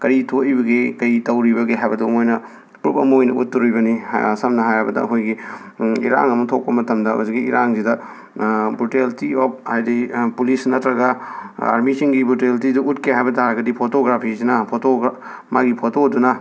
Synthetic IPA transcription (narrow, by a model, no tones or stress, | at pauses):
kɐɾitʰoibɐɡekɐjtɐwɾibɐɡeɦajbɐduɐmojnɐ | pɾupɐ̰mɐojnɐut̚ːuɾujbɐnisɐmnɐɦajabɐdɐ̰ɐ̰ɦojɡi | ḭɾa̰ŋɐmɐtʰok̚pɐmɐtɐmdɐo̰ziɡiḭɾaŋzidɐ | buteltiop̚hajdipulisnɐtɾɐɡɐa̰ɾmisiŋɡibuteltiduʔutkeɦajbɐdaaɡɐdipʰotoɡɾapʰisinɐpʰoto | maɡipʰotodunɐ